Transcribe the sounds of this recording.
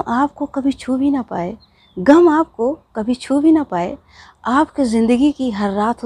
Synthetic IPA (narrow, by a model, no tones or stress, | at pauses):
ʔaːp̚kokɐbʱit͡ʃʰuːbʱinɐpaːeː | ɡɐmaːp̚kokɐbʱit͡ʃʰuːbʱinɐpaːḛ | aːpkizɪ̃nd̪əɡikiɦɐɾːaːt̪ʰ